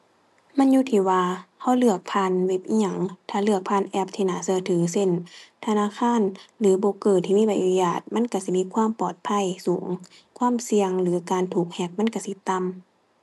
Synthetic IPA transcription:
ma˧˥˨njuː˧˥˦t̪ʰiː˧˩waː˧ha˧˥˨wlɯ˧˩ək̚pʰaː˧˥˨nwe˧˥p̚ʔiː˧˨ɲa˧˦ŋt̪ʰaː˧˩lɯ˧˩ək̚pʰaː˧˥˨nʔɛ˧˥p̚t̪ʰiː˧˩naː˨˦sɯ˧ə˨t̪ʰɯ˨˩˦se˧˥˨nt̪ʰa˧naː˧˥˨kʰaː˧˥˨nlɯː˨˦bɔː˨˦kɤː˨˩t̪̚ʰːiː˧˨miː˧˥˨ba˨˦ʔa˧˨jaː˧˩t̪̚ma˧˥˨nka˧˩si˧˦miː˧˥˨kʰwaː˧˥˨mpɔː˨˩t̪̚pʰa˧˥˨jsuː˨˩˦ŋ | kʰwaː˧˥˨msi˧əŋlɯː˨˦kaː˨nt̪ʰuː˨˩k̚hɛː˧˩k̚ma˧˥˨nka˧˩si˧˦t̪a˧˥˨m

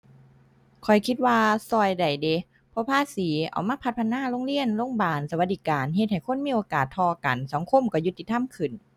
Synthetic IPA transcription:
kʰɔ˨˩jkʰi˧t̪̚waː˧sɔː˧˩jda˨˩jde˨˧˦ | pʰɔ˧pʰaː˧˥siː˨˦ʔa̰˨˩wmaː˧˥˩pʰa˧t̪̚pʰa˧˥naː˧˥˨lo˧˥˨ŋli˧˥˨ənloː˧˥˨ŋbaː˨˩nsa˧wa˧t̪̚diː˧˩kaː˨nɦe˧t̪̚ha˨˩jkʰo˧˥˨nmiː˧˨ʔoː˨˧kaː˨˩t̪ʰːɔː˧ka˨˩nsa˨˦ŋkʰo˧˥˨mkɔ˧˩ju˧t̪ːi˧t̪ʰa˧˥˨mkʰɯ˨˩n

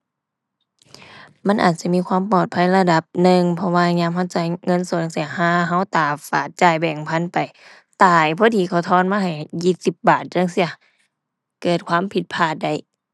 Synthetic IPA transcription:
ma˧˥˨nʔa̰ː˨˩t̪̚si˧˦miː˧˥kwaː˧˥˨mpɔː˨˩t̪̚pʰa˧˥˨jla˧da˧˦p̚nɯ˧ŋpʰɔ˧waː˧ɲaː˧˥˨mha˧˥˩wt͡ɕa˧˩jŋɤ˧˥˨nsu˧˦˨n˧˨si˧˩ɐ˨haː˧˥˩ɦa˧˩˨wt̪aː˨˩faː˨˩t̪̚t͡ɕaː˧˩jbɛː˨˩ŋpʰa˧˥˨npa˨j | t̪aː˨˩jpʰɔː˧˥˨t̪ʰiː˧˩kʰa˧˩wt̪ʰɔː˧˥˨nmaː˧˥˧ɦa˨˩jːiː˧˩t̪̚si˧˦p̚baː˨˩t̪̚t͡ɕa˧˥˨ŋsi˧˩ɐ˧ | kɤː˨˩t̪̚kʰwaː˧˥˨mpʰi˧t̪̚pʰaː˧˩t̪̚da˧˩j

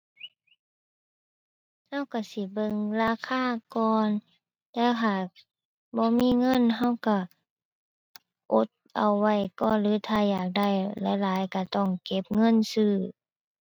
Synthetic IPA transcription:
ha˧˥˩wka˧˩si˧˦bɤ˧˨ŋlaː˧˥˨kʰaː˧˥˩kɔː˧n | t̪ɛː˧˥wɦaː˨˩k̚ | bɔː˧˦miː˧˥˨ŋɤ˧˥˨nɦa˧˥˩wka˧˩ | ʔo˧˦t̪̚ʔa˧˩wːa˧˩jkɔː˧˨nlɯː˨˧˦t̪ʰaː˧˩jaː˨˩k̚da˧˩˨jlɛ˧˦laː˨˦jka˧˩t̪ɔ˧˩ŋke˧˦p̚ŋɤ˧˥˨nsɯː˧˩

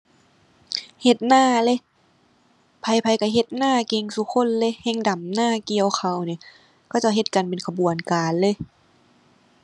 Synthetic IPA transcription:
he˧t̪̚naː˥˩le˧˦ | pʰa˧jpʰa˧jka˧˩ɦe˧˦t̪̚naː˥˩˨ke˧ŋsu˧˦kʰo˧˥˨nle˧˦˨hɛ˧˥˩ŋda˨˩mnaː˥˩ki˧˨əwxʰa˧˩wni˧˩˨ | kɔ˧˩t͡ɕa˧˩wɦe˧t̪̚ka˨npe˨nkʰa˧bu˨˩ənkaː˨nlɤː˧˦

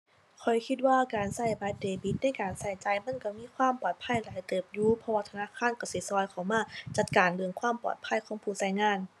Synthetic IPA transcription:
kʰɔ˨˩jkʰi˧˥t̪̚waː˧˨kaː˨nsa˧˥˩jbaː˧˥t̪̚deː˨˩bi˨˧˦t̪̚na˧˥˨jkaː˨nsa˧˩jt͡ɕaː˨˩jma˧˥˨nka˧˩miː˧˥˨kʰwaː˧˥˨mpɔː˨˩t̪̚pʰa˧˥˨jlaː˨˦jt̪ɤː˨˩p̚juː˧˨pʰɔ˧waː˧t̪ʰa˧naː˧˥˨kʰaː˧˥˨nka˧˩si˧˦sɔː˧˦jkʰa˨˩wmaː˧˥˨t͡ɕa˧˩t̪̚kaː˨nlɯ˧əŋkʰwaː˧˥˨mpɔ̰ː˨˩t̪̚pʰa˧˥˨jkʰɔː˨˦ŋpʰuː˧˩sa˧˩jŋaː˧˥˨n

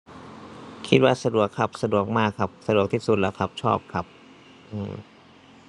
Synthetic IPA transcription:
kʰi˦˥t̪̚waː˧˩sa˧du˨˩əkʰːa˦˥p̚sa˧du˨˩ək̚maː˥˩kʰːa˦˥p̚sa˧du˨˩ək̚t̪ʰiː˧˥˩su˨t̪̚lɛ̰˧˥kʰa˦˥p̚t͡ɕʰɔː˥˩p̚kʰa˦˥p̚ | ʔɯː˧˩m

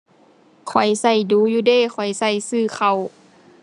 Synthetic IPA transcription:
kʰɔ˨˩jsa˧˩jduː˧˦juː˧˦deː˧˨xʰɔ˨˩jsa˧˩jsɯː˧˩xʰa˧˩w

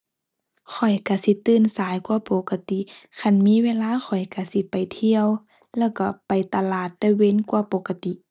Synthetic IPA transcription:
kʰɔ˨˩jka˧˩si˧˦t̪ɯː˧˩˨nsaː˨˦jkwa˧po˧˨˦ka˧t̪i˧˨kʰa˧˩˨nmiː˧˥˨weː˧˥˨laː˧˥˨xʰɔ˨˩jka˧˩si˧˦pa˨˩jt̪ʰi˧˨əw | lɛː˧˥˨wka˧˩pa˨jt̪a˧laː˨˩t̪ːɛː˧˥we˧˥˨nkwa˧˦po˧˦ka˧t̪i˧˨ʔ

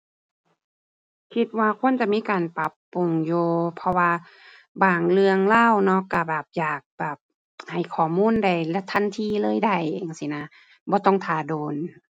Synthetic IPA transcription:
kʰi˧t̪̚waː˧kʰo˧˥˨nt͡ɕa˧˨miː˧˥˨kaː˨˩npa˧˦˥pːu˨ŋjuː˧pʰɔ˧waː˧ | baː˨˧˩ŋlɯ˧əŋlaː˧˥˨wnɔ˧˥ka˧˩bɛː˨˩p̚jaː˨˩k̚bɛː˨˩p̚ | ha˨˩jkʰɔː˨˩muː˧˥˨nda˨˧˩jlɛ˧˩t̪ʰa˧˥˨nt̪ʰiː˧˨lɤː˧˥˨jda˧˩jeː˨˩ŋsi˧˨na˧˥ | bɔː˧˦t̪ɔ˧˥˩ŋt̪ʰaː˨˩doː˨n

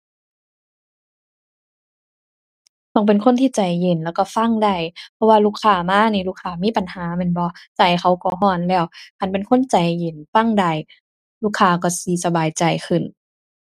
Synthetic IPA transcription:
t̪ɔː˧˩ŋp̬e˨nkʰo˧˥˨nt̪ʰiː˧˩˨t͡ɕa˨˩jːe˨˩nlɛː˧˩wkɔ˧˩fa˧˥˨ŋda˧˩jpʰɔ˧waː˧luː˧˨kʰːaː˧˩maː˧˥˨niː˧˦luː˧˥˨kʰaː˧˩miː˧˥˨pa˨nhaː˨˦mɛː˧˥˨nbɔ˧˦t͡ɕa˨˩jxa˧˩wkɔ˧˦ɦɔː˧˩˨nlɛː˧˩˨whʰa˧˨npe˨nkʰo˧˥˨nt͡ɕa˨˩jːe˨˦nfa˧˥˨ŋda˧˩j | luː˧˥˩kʰːaː˧kɔ˧˩siː˧˦sa˧baː˨jt͡ɕa˨˩jkʰɯ˧˩n

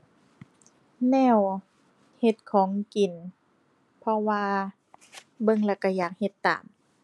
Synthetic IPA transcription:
nɛː˧˥˩w | he˧t̪̚kʰɔː˨˩˦ŋki˨˩n | pʰɔ˧waː˧ | bɤ˧˨ŋla˧˩ka˧˩jaː˨˩k̚he˧t̪ːa̰ː˨˦m

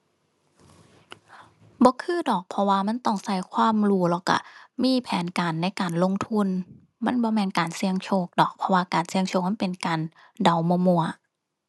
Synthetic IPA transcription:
bɔː˧˦kʰɯː˧˥˩dɔː˨˩k̚pʰɔ˧waː˧ma˧˥˨nt̪ɔ˧˩ŋsa˧˩jkʰwaː˧˥˨mɾuː˧˦lɔ˧˩ka̰˧˩miː˧˥˨pʰɛː˨˦nkaː˨nːa˧˥˩jkaː˨˩nlo˧˥˨ŋt̪ʰu˧˥˨n | ma˧˥˨nbɔː˧˦mɛː˧˨nkaː˨˩nsi˧əŋt͡ɕʰoː˧˩k̚dɔː˨˩k̚pʰɔ˧waː˧kaː˨˩nsi˧əŋt͡ɕʰoː˧˩k̚ma˧˥˨pe˨˩nkaː˨n | da˨˧wmu˧˦mu˧˩ɐ

